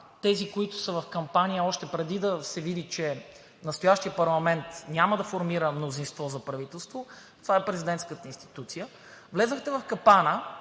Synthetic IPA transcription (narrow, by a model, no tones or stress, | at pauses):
t̪ɛzikoit̪ʊ̥səvɐfkɐmpanijəɔʃt̪ɛpɾɛd̪id̪ɐsɛvid̪it͡ʃɛ | nɐst̪ʊjaʃt̪ijəpɐɾlˠɐmɛnt̪nʲaməd̪ɐfoɾmiɾəmnozinst̪vɔzɐpɾɐvit̪ɛlˠst̪vo | t̪ovaɛpɾɛzid̪ɛnt̪skət̪əinst̪i̥t̪ut̪sijə | vlɛzəxt̪ɛvɐfkɐpanə